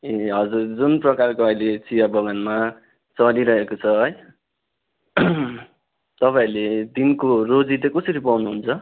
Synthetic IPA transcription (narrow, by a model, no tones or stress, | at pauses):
eɦʌd͡zurd͡zunprʌkarkoʌjlet͡sijabʌɡʌnma | t͡sʌliɾʌɦekot͡sʰʌɦʌj | t̪ʌpaĩled̪inkorod͡zid̪ʌkʌsʌɾipawnuɦunt͡sʰʌ